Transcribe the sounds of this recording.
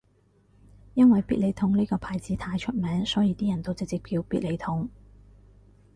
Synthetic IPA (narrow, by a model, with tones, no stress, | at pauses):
jɐ˥nwɐ˨jpiː˥t̚le˨˧jt̪ʰʊ˧˥ŋniː˥kɔː˧pʰaː˨˧jt͡siː˨˥t̪ʰaː˧jt͡ʃʰɵ˥t̚mɛː˨˥ŋsɔː˨˥jiː˨˧t̪iː˥jɐ˨˩nt̪o˥wt͡sɪ˨k̚t͡siː˨k̚pʰiː˧wpiː˥le˨˧jt̪ʰʊ˨˥ŋ